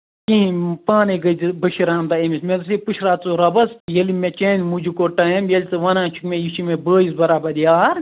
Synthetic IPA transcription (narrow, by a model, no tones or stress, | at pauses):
kĩpaːneɡɐdibɐʃiɾãːnd̪aemismed̪ɐs̬ipuʃʰɾaːt͡suɾɐbɐsjɐlimet͡ʃeːnmud͡ʒukoʈɐɐmjɐlʲit͡sɨʋɐnãːt͡ʃʰu̥kmẽjiʃimebəːizbɐɾaːbɐd̪ijaːɾ